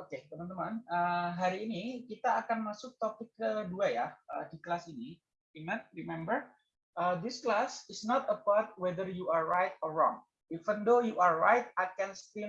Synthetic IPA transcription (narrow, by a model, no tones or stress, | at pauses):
oket̪əmant̪əmanəɦaɾiːnikit̪aːkanmasʊk̚t̪opikəlduajaədiklasini | iŋət̪̚rimɛmbər | ʔəd̪ɪsklasɪsnɔt̪əpat̪̚wɛd̪ərjuarːajt̪ɔrːɔŋ | ivənd̪ojuʔarːajt̪̚at̪̚kɛnst̪ɪ